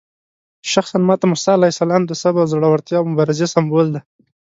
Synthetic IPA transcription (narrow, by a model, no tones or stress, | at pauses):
ʃaxsanmɑt̪amʊsɑlaisalɑːmd̪əsabawzaɽawaɾt̪jɑmʊbɑɾɪzesambold̪a